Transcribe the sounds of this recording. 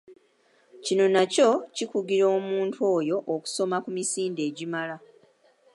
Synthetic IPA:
cino̞naco̞cikuɡiɾo̞ːmuːntʰo̞ːjo̞ʔːku̥so̞makumisiːnde̞ːɟimala

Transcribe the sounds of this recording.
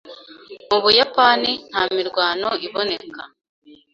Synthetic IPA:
muβujapanin̥haːmiɾɡwaːno̞iβo̞ne̞ka

